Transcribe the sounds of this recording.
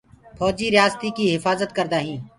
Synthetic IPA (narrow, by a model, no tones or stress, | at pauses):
pʰɔːd͡ʒiːɾɪjaːst̪iːkiːɦɪfaːzət̪kəɾd̪aːɦĩː